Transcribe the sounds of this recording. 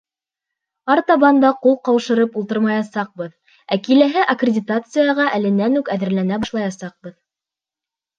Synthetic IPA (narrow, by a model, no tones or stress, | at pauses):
ɑɾt̪ɑβɑnd̪ɑqulˠqɑwʃɤ̆ɾɤpulˠt̪ɤɾmɑjɑsɑq̚bɤð | ækilæɦɘʔɐkrʲɪdʲɪt̪at̪sɨjɑʁɑʔælɘ̆nːænʉkæðɘ̆ɾlænæbɑʃlˠɑjɑsɑq̚bɤð